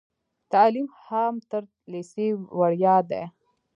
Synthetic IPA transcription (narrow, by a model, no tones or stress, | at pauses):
t̪alimhamt̪əɾ | lisewaɽjɑd̪ḛ